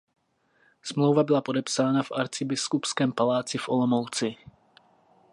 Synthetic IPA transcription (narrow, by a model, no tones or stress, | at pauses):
smlowvabɪlapo̞dɛpsaːnafʔaɾt͡sɪbɪskupskɛːmpalaːt͡sɪfʔo̞̰lo̞mowt͡sɪ